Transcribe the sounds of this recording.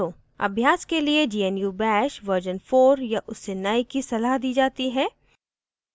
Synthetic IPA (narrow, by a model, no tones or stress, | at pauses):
o | ɐ̰bʱjaːskelied͡ʒiːɛnjubɛːʃʋəɾd͡ʒənfoːɾjaʔʊsːenaːikisɐlaːɦd̪iːd͡ʒaːt̪iɦɛː